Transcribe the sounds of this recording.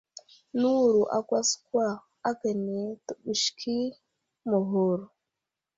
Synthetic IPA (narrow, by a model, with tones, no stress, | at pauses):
nu˦˨ɾu˨ʔa̰˨ɡʷa˦skwa˦˨ | a˦ɡa˨ne˨tə˨ɓu˨ʃkʰi˦ | mo˨ɦo˨ɾo˨